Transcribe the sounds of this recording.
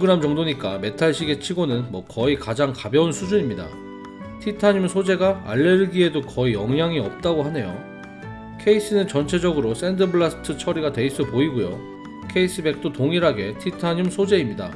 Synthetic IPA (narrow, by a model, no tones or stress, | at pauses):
oɡɯɾamt͡ɕʌŋdoɲik͈ame̞tʰaɭɕʰiɡe̞t͡ɕʰiɡonɯnmwʌkʌikad͡ʑaŋkabjʌunsʰud͡ʑuɲimɲida̰ | tʰitʰaɲimsʰod͡ʑe̞ɡaa̰ɭːe̞ɾɯɡie̞dokʌijʌŋɦaŋiʌp̚t͈aɡoɦhane̞jo̰ | kʰe̞is͈ɯnɯnt͡ɕʌnt͡ɕʰe̞d͡ʑʌɡɯɾos͈endɯbɯɭasʰtʰɯt͡ɕʰʌɾiɡadwe̞is͈ɯpoiɡojo̰ | kʰe̞is͈ɯbe̞k̚t͈otoŋiɾɦaɡe̞tʰitʰaɲimsʰod͡ʑe̞imɲida̰